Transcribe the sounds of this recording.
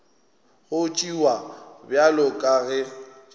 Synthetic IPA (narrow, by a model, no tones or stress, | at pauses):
ɣʊt͡ʃʼiwabjalʊkʼaɣɛ